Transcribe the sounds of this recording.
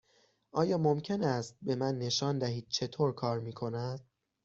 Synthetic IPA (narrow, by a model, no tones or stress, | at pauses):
ʔɒːjɒːmo̞mcʰe̞næst̪̚be̞mænːe̞ʃɒːnd̪æɦiːd̪̥̚t͡ʃʰe̞t̪ʰoːɾkʰɒːɾmiːkʰo̞næd̪̥